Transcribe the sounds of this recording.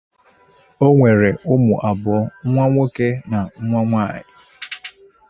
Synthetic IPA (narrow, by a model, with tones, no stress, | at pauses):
o˦ŋʷe˨ɾe˨ʊ˦mʊ̰˨ʔa˨bʊ˨˦ŋ̩˦ŋʷa˦ŋʷo˦ke˦na˨ŋ̩˦ŋʷa˦ŋʷa̰˦˨jɪ̰˨